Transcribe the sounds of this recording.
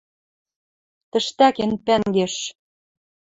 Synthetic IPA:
t̪ə̆ʃt̪ækenpæŋɡeʃ

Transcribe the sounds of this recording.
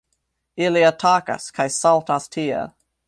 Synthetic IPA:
ɪliatʰaːka̰skʰajsalˠtʰastʰiːə̰

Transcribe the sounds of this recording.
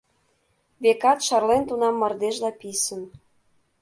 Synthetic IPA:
βekɑt̪ʃɑrlent̪unɑmːɤ̆rd̪eʒlɑpisə̆n

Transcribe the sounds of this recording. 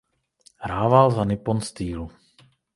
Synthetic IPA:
hɾaːvalzanɪponst̪iːlu

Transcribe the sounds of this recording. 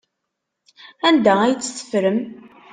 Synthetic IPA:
ænd̪ææjt͡sːθə̥fɾəm

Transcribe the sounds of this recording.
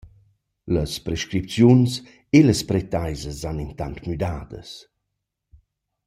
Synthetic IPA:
ləspɾɛʃkɾip̚t͡sjuns | eləspɾɛt̪ajzəzanint̪ant̪myd̪aːd̪ə̰s

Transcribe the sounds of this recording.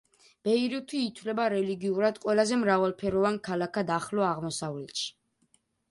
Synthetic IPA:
b̥ɛiɾit̪ʰwiːt̪ʰwlɛbaɾɛliɡiuɾad̪qʼwɛlazɛmɾavalˠpʰɛɾɔvankʰalakʰad̪aχlɔaʁmɔsavlɛt̪ʃi̥

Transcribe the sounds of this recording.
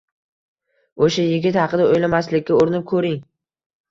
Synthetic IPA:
oʃajɪɡʲɪt̪hɑqʰɨd̪aojlamaslɪkʲːaoɾɪnɪp̚kʰɵɾɪŋ

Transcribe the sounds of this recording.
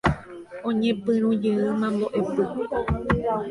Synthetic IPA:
õɲẽpɨ̃ɾ̃ũd͡ʒɨɨmãmbo̞ʔepɨ

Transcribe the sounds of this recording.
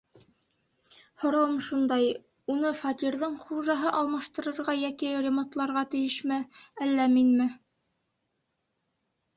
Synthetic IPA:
hŏɾɑwɤmʃund̪ɑj | unɤfɑt̪ʲiɾðɤɴχuʒɑɦɤʔɑlˠmɑʃt̪ɤ̆ɾɤ̆ɾʁɑjækirʲemont̪lˠɑɾʁɑt̪ɘ̆jɘʃmæælːæminmɘ

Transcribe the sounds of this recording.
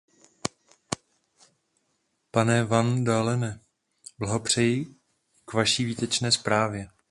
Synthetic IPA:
panɛvandaːlɛnɛ | blaɦopr̝̥ɛjɪ | kvaʃiːviːt̪ɛt͡ʃnɛːspɾaːvjɛ

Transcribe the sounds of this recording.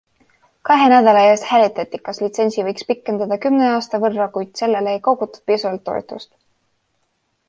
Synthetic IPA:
kɑɦe̞næd̪ɑlɑeːst̪hæːlit̪ːˑɑt̪ːikɑslit̪se̞nʲsivɤjkspikːˑe̞nd̪̥ɑd̪̥ɑkymneɑːst̪ɑvɤrːɑkujd̪̥se̞lːe̞leejko̞ɡut̪ːˑu̥d̥̪̚pisuvɑlt̪ːo̞̰ḛt̪ːˑṵst̪

